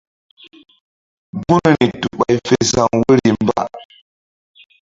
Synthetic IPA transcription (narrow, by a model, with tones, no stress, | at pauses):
bu˦n˨ɾi˨tu˨ɓa˨jfe˨sa˨ŋwə˦ɾi˨mba̰˦